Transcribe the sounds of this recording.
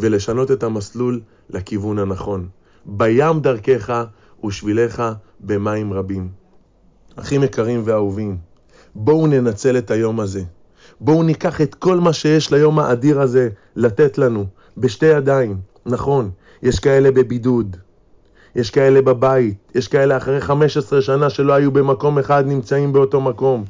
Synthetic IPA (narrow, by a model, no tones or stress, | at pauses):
veleʃano̞t̪e̞tamaslulː | akivunhanaχo̞n | bajamdaʁke̞χa | uʃvile̞χa | be̞maimʁabim | a̰χime̞kaʁimve̞auvim | bo̞une̞nat͡se̞le̞t̪hajo̞maze̞ | bo̞unikaχe̞t̪ko̞lmaʃe̞je̞ʃlajo̞maʔadiʁaze̞ | late̞tlanu | be̞ʃte̞jadaim | naχo̞n | jeʃkae̞le̞be̞bidud̪ | je̞ʃkae̞lebabaitjeʃkae̞le̞aχaʁe̞jχame̞ʃesʁe̞ʃanaʃe̞lo̞hajube̞mako̞me̞χad̪nimt͡saimbe̞o̞to̞mako̞m